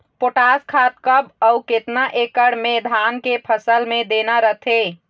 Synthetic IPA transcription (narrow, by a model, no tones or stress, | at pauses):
poʈaskʰat̪̚kəbəuket̪naʔekəɽmed̪ʱankepʰəsəlmed̪enəɾəɦt̪ʰe